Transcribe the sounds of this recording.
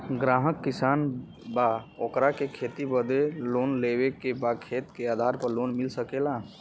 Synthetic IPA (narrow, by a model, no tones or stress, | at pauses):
ɡɾaɦəkːisan | baokɾakekʰet̪ibəd̪elonlebekebakʰet̪kead̪ʱaɾpəɾlonmilsəkela